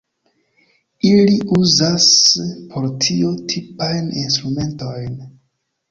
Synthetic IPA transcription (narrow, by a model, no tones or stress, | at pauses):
iliuzaspʰo̞ɾtʰiotʰipajninstɾume̞nto̞jn